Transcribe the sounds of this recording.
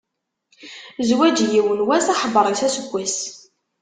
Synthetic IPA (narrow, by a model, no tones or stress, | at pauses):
zwæd͡ʒjiwənwæsaħəbəɾˤisæsəɡʷːis